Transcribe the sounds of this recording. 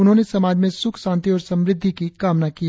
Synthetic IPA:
ʊnɦõːnesɐmaːd͡ʒmẽsʊkʰʃãːnt̪iɔːɾsɐ̃mɾɪd̪ʱːikikaːmnaki

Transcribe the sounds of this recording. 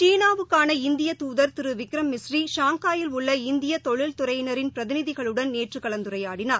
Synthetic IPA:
t͡ʃiːnaːʋɯkːaːnɐɪnd̪ɪjɐt̪uːðɐɾt̪ɪɾɯʋɪkɾɐmːɪsriʃaːŋkaːjɪlʊɭːɐɪnd̪ɪjɐt̪ɔɭɪlt̪ʊɾɐjnɐɾɪnpɪɾɐðɪnɪðɪɣɐɭɯɽɐnneːʈrɯkɐɭɐnd̪ɯɾɐjaːɽɪnaːɾ

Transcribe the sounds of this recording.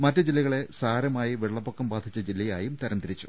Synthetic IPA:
mɐtːɐd͡ʑilːɐɣɐɭe̞saːɾɐmaːjiʋiɭːɐpːokːɐmbaːd̪ʰʱit͡ɕːɐd͡ʑilːɐjaːjumt̪ɐɾɐmt̪iɾit͡ɕːu̥̰

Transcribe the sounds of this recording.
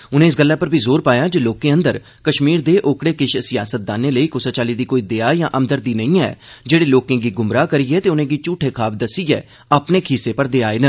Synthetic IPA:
ʊnẽːɪs̬ɡəlːaːpəɾbʱiːzoːɾpaːjaːd͡ʒoːloːkẽːə̃nd̪əɾ | kəʃmiːɾd̪eːʔoːkɽeːkɪʃsɪjaːsət̪̚d̪aːneːləiːkʊsaːt͡ʃaːliːd̪iːkoːiːd̪eaːjãːʔəmd̪əɾd̪iːnə̃ĩːɛ̰ːd͡ʒeːɽeːloːkẽːɡiːɡʊmɾaːkəɾiɛːt̪eːʊnẽːɡiːt͡ʃuːʈʰeːkʰaːb̚d̪əsiɛː | aːpneːkʰiseːpəɽd̪eːaːeːnə

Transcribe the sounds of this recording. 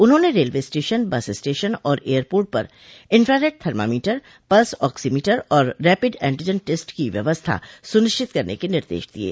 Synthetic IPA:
ʊnɦõːneɾeːlʋesʈeːʃənbɐssʈeːʃənɔːɾeːəɾpoːɾʈ̚pɐ̰ɾ | ɪ̃nfɾaɾeːʈ̚t̪ʰɐɾma̰ːmiːʈəɾ | pɐlsɔːksimiːʈəɾɔːɾːɛːpɪɖɛ̰̃ːɳʈid͡ʒənʈesʈkiʋjɐ̰ʋəst̪ʰa̰sʊnɪʃt͡ʃɪt̪kɐɾnḛkenɪɾd̪ḛːʃd̪ḭḛː

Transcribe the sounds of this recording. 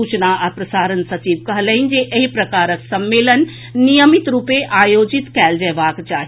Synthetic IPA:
ut͡ʃnaəpɾɐsaːɾənsɐt͡ʃiːʋkɐɦləɦind͡ʒeʔeɦipɾɐkaːɾəksɐmːeːlənː | ijəmit̪ɾupeʔaːjoːd͡ʒit̪kɛːld͡ʒɛːbaːkt͡ʃaːɦ

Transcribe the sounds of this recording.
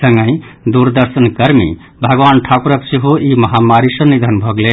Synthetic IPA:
səŋɡə̃ɪ | d̪uɾd̪əɾsənkəɾmḭ | bʱəɡʋanʈʰakuɾəksiɦoimʌɦamaɾisənːid̪ʱənbʱʌɡle

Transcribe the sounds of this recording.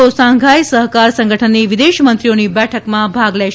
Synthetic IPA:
osãŋɡʱajsəɦkaɾsə̃ŋɡʱəʈʰənːiʋɪd̪eʃmənt̪ɾionibɛʈʰəkmãbʱaɡlɛ

